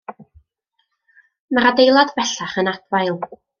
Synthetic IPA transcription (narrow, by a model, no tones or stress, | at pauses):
maɾadejlˠadvɛɬaχənatwajlˠ